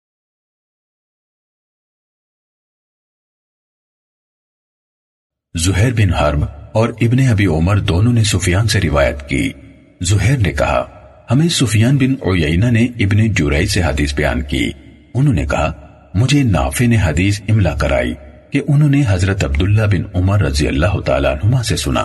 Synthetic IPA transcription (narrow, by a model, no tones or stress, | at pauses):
zʊɦɛːɾbɪnɦɐɾbɔːɾɪbneɐbiʊməɾd̪oːnõnesʊfijaːnseɾɪʋa̰ːjə̰t̪kḭː | zʊɦɛːɾnekɐ̰ɦa̰ | hɐmẽsʊfijaːnbɪnʊ̰jɛinaneɪbned͡ʒʊɾɛːiseɦɐd̪iːsbɐja̰ːnkḭː | ʊnɦõːnḛkɐɦa | mʊd͡ʒʱena̰ːfeneɦɐd̪iːsɪmlaːkɐɾʔa̰ːḭː | keʔʊnɦõneɦɐzɾət̪ɐb̚d̪ʊlːabɪnʊməɾːɐzijə̰lːaːɦʊt̪a̰ːla̰ənɦʊmãsesʊna̰ː